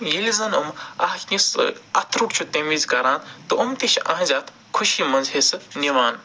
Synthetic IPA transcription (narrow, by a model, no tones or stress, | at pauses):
jilʲizɐnumɐɦknʲisɐt̪ʰɾuʈt͡ʃʰut̪emizkɐɾaːnt̪ɨʔumt̪iʃʰɐ̰ɦzʲaːt̪ʰ | kʰuʃiːmɐnzɦesɨniʋaːn